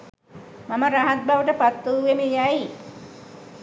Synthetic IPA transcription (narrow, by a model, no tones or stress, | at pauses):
maməɾaɦat̪̚bʱaʋəʈəpat̪ːuuʋemejai